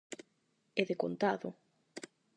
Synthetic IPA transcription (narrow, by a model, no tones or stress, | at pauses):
eðekont̪aðo